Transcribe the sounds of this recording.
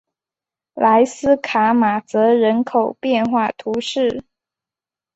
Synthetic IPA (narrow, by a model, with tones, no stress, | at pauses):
la˧˥ɪsɹ̩˥kʰa˨˥˦ma˨˩t͡sɤ˧˥ɻə˧˥nkʰo˨˩ʊpjɛ˥˧nxwa˥˩t̪ʰu˧˥ʂɻ̩˥˩